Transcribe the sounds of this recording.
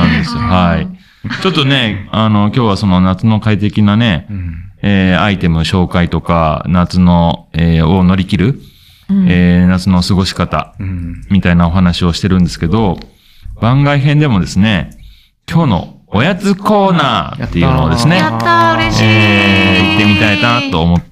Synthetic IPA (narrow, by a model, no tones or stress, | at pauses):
nãnd̪esɨhai | t͡ɕo̞t̪ːo̞ne̞ano̞kʲo̞ːβ̞aso̞no̞nat͡sɨno̞kait̪e̞kʲinane̞ | eːait̪e̞mɯ̟ɕo̞ːkait̪o̞kanat͡sɨno̞eono̞ɾʲikʲiɾɯ̟ | eːnat͡sɨno̞sɨɡo̞ɕi̥kat̪a̰mʲit̪ainao̞ɦanaɕio̞ɕi̥t̪e̞ɾɯ̟̃nd̪esɨ̥ke̞d̪o̞ | b̥ãŋɡaiɦẽ̞nd̪e̞mo̞d̪e̞sɨne̞ | kʲo̞ːno̞̰ojat͡sɨko̞ːnaːt̪ːe̞jɯ̟ːnood̪e̞sɨne̞ | eit̪ːe̞mʲit̪ait̪at̪o̞ːmo